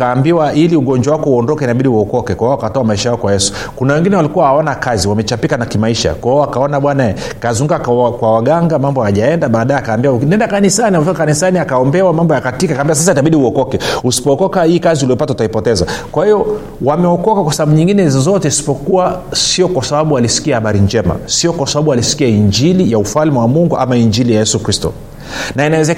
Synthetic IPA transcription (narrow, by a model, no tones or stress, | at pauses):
aːmbiwaʔiliuɡɔɲd͡ʒwawakɔuɔndɔkɛinaɓiɗiuɔkɔkɛkwahɔakatɔamaiʃajaɔkwajɛsu̥ | kunawɛŋɡinɛwalikuwahaɔnakaziwamɛt͡ʃapikanakimaiʃa̰kwaɔakaɔnaɓwanaɛ | kazuŋɡukakkwawaɡaŋɡamambɔhaʄaɛndaɓaːɗajakaːmbiwanɛndakanisaniamfikakanisaniakaɔmbɛwamambɔjakatikakambiwas̬asaitaɓiɗiuɔkɔkɛusi̥pɔːkɔkahiːkaziuliɔpatau̥taipɔtɛzakwahiɔ | wamɛɔkɔkakwasaɓaɓuɲiŋɡinɛizɔzɔtɛisi̥pɔkuwasiɔkwasaɓaɓualisi̥kiahaɓaɾiɲd͡ʒɛma̰siɔkwasaɓaɓualisi̥kiaiɲd͡ʒilijaufalmiwamuŋɡuʔa̰maiɲd͡ʒilijajɛsukɾistɔ̰ | nainawɛzɛ